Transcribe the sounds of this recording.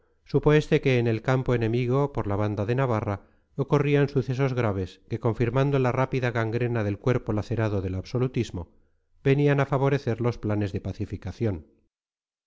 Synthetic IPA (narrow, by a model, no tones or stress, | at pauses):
supo̞e̞st̪e̞ke̞ːne̞lkampoenẽ̞miɣo̞poɾlaβ̞and̪aðe̞naβ̞ara | okoriansuθe̞s̬o̞zɣɾaβ̞e̞ske̞ko̞ɱfiɾmand̪o̞larapiðaɣaŋɡɾe̞naðe̞lkwe̞ɾpo̞laθe̞ɾaðoðe̞laβso̞lut̪izmo | be̞nianafaβo̞ɾe̞θe̞ɾlo̞splane̞zðe̞paθifikaθjon